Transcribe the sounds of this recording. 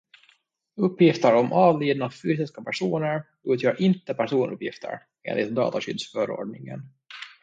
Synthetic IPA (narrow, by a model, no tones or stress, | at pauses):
ɵpːjɪft̪əɾɔmʔɑːvliːd̪nafyːs̬ɪskapʰæʂuːnəɾ | ʉ̟ːt̪ʰjœːɾʔɪnt̪əpʰæʂuːnʔɵ̰pːjɪft̪ʰə̰ɾ | ʔḛːnɪt̪md̪ɑ̰ːt̪aɕʏd̪sfœːɾo̰ːɖɳɪŋə̰n